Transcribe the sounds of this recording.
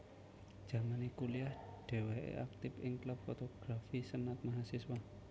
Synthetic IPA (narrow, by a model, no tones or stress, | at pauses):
d̥ʒ̥a̤manikuliahɖ̥ɛ̤weḛʔak̚t̪ɪpɪŋkləb̥̚fɔt̪ɔɡ̥ɾafisənat̪̚maɦasiswa